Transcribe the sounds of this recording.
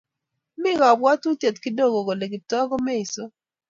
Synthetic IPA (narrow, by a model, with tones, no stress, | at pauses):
mɪ˦ɾɔ˨bwa˦tu˦te˨tki˦do˦˨ɡo˨ɡo˨le˨ɡɪ˨tɔ˦ɡo˦mɛ˦i˨so˦